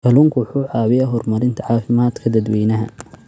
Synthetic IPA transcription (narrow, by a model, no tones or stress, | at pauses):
kʰɐlʊŋkʰʊwʊħuːʕɑːwɪjɐɦɔrmɐɾɪnt̪ʰɐʕɑːfɪmaːd̪kʰɐd̪ɐd̪wɛjnɐɦɐ̰